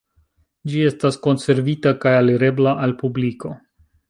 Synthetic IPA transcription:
d͡ʒie̞stasko̞nse̞ɾvitakajaliɾe̞blaʔalpubliko̞

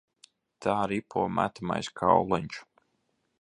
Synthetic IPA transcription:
t̪ʰaːɾipʰuɔmæ̰t̪ama̰jskʰa̰wlˠɛɲt͡ʃu̥

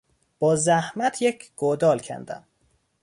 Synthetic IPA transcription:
b̥ɒːzæhmæt̪ʰjecʰɡ̥od̪ɒːlcʰæ̰nd̪æ̰m

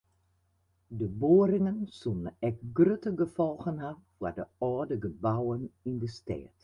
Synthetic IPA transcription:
dəboːɾɪŋənsunəɛk̚ɡrøtəɡəfɔlˠɣənɦafwədəɔːdəɡəbawənɪndəstɛ̰ːt

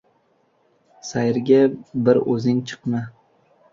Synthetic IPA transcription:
sajɾɡʲabɪɾɵzɪŋt͡ʃʰɨ̥qma

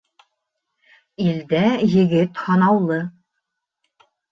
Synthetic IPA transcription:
ild̪æjɘ̆ɡɘt̪hɑnɑwlˠɤ

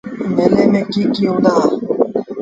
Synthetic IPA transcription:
meleːmẽːkiːkiːɦũːnd̪aː

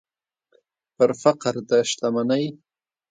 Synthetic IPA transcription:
pəɾfaqɾd̪əʃt̪amanaj

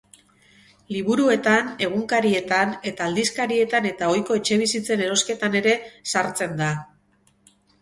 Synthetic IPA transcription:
liβ̞uɾue̞t̪ane̞ɣ̞uŋkaɾie̞t̪ane̞t̪aːld̪iskaɾie̞t̪ane̞t̪ao̞jko̞e̞t͡ʃe̞β̞isit͡se̞ne̞ɾo̞ske̞t̪ane̞ɾe̞saɾt͡se̞nd̪a

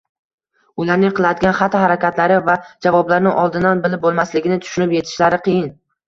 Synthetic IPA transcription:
ʊlaɾnɪŋqʰɨlˠad̪ɪɡʲanχat̪ʰːhaɾakʲat̪laɾɪvad͡ʒavɒblaɾnɪŋʔɒlˠd̪ɪnanbɪlɪp̚bolˠmaslɪɡʲɪnɪt̪ʰʊ̥ʃʊnɪpje̞t̪ʰɪ̥ʃlaɾɪqʰɨjɪn

